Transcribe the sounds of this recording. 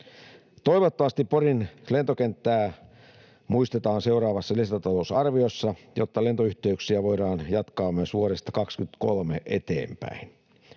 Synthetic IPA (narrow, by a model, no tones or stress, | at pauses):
t̪oiʋot̪ːoʋɑst̪ipporinlent̪okent̪ːæː | muist̪et̪ɑːnseuɾɑːʋɑsːɑlist̪ɑt̪ɑlousɑrʋiosːɑjo̰t̪ːɑlent̪oyht̪eyksiæʋoiɾɑːnjɑt̪kɑːmøsuoɾest̪ɑ̥kɑkskyt̪kolmeʔet̪ḛːmpæ̰in